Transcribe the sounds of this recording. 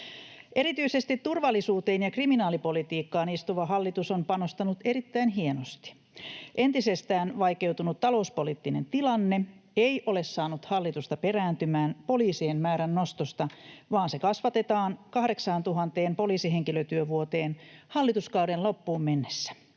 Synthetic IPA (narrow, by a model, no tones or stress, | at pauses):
ʔe̞ɾit̪yisest̪it̪t̪ːurʋɑlːisuːt̪eːnjɑkriminɑːlipo̞lit̪iːkːɑːnist̪uʋɑɦɑlːit̪usompɑnost̪ɑnut̪e̞ɾit̪ːæinɦienost̪i̥ | ʔent̪isest̪æːnʋɑjke̞wt̪unut̪tɑlo̞uspoliːt̪ːine̞nt̪ilɑnːeeiʔole̞ssɑːnut̪hɑlːit̪ust̪ɑperæːnt̪ymæːnpo̞liːsiːnmæːɾænːost̪ost̪ɑʋɑːnsekɑsʋɑt̪e̞t̪ɑːnkɑhɾeksɑːnt̪uɦɑnt̪eːmpo̞liːsiɦeŋkiløt̪yøʋuot̪eːnhɑlːit̪uskɑwdenlopːuːmmenːesːæ̥